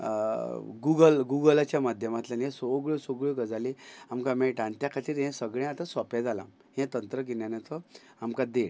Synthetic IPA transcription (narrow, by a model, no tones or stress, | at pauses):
ɡuɡəlɡuɡəlat͡ɕjamad̪ʱjəmat̪lanẽsoɡɭosoɡɭoɡəd͡zaliamkamɛʈãnt̪jakʰat̪iɾɦɛ̃səɡɭẽat̪ãsɔpɛ̃d͡zalã̰ | hɛ̃t̪ənt̪ɾəkinjanat̪ɔ | amkad̪eɽ